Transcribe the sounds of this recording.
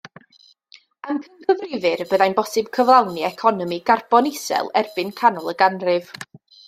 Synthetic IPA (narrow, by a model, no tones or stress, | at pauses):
əmkʰənkʰəvrɪvɨɾbəðajnbɔsɨb̥̚kʰəvlˠawniɛkʰɔnɔmiɡarbɔnɪsɛ̰lˠɛrbɨnkʰanɔlˠəɡanrɨv̥